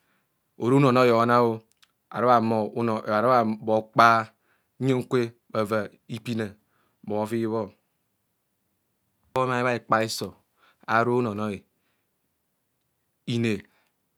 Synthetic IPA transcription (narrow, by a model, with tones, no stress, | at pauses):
o˨ɾu˦no˨no˦jo˨˦na˦o˦ | a̰˨ɾo˦a˨m˨˦˨ɾbo˨k͡pa˦ | o˦ŋ̩˦kʷe˦ | ba˨va˨ | i˦pi˦na˨ | bo˨˦fi˦βo˦ | a˨˦i˦βa˦i˨k͡pa˦i˦so˨ | a̰˨ɾo˦no˨no˦i˨ | i˨ne˨